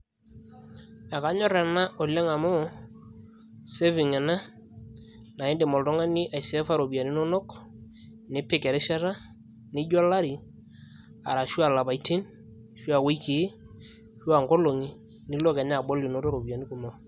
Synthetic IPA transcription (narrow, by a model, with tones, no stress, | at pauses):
ɛ˨ka˨˦ɲɔ˦ɾɛ˨na˦ʔo˨lɛ˦ŋa˨mɔ˦ | se˦vi˨ŋɛ˨na˦ | na˨ɪ˦nde˨mɔ˨ltɔ˦ŋa˦ni˦ʔa˨jsɛ˦fa˦ɾo˨bi˨a˨ni˦nɔ˦no˦k | nɪ˦pɪ˦˨kɛ˨ɾɪ˦ʃa˦ɾa˦ | nɪ˦d͡ʒɔ˦la˦ɾi˨ | a˨ɾa˨ʃu˦a˨la˨ba˨jtʰi˦n | ʃa˨we˦jki˨˦ | ʃu˦a˨ŋɡo˦lo˨ŋi˦ | nɪ˦lo˦kɛ˨ɲa˦˨ɓo˦li˨no˦to˦ɾo˨bi˨a˨ni˦ku˨mo˨